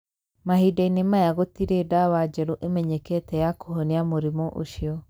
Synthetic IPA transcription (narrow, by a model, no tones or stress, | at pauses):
mahidainemajaɣotiɾedawad͡ʒɛɾoʔemɛɲɛketɛjakoɦoniamoɾimɔʔo̰ʃiɔ